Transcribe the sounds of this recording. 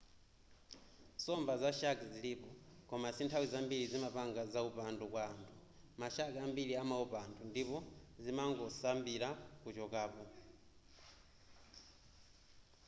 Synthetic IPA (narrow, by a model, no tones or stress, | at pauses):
sɔmbazaʃakziliːpɔkɔmasintʰawizambiɾizimapaŋɡazaupandukwaːntʰu | maʃakambiliamaupantʰundipɔzimaŋɡɔsambiɾakut͡ʃɔkaːpɔ